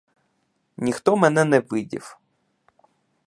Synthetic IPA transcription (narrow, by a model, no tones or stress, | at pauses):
nʲixt̪ɔmɛnɛnɛʋɪdʲḭw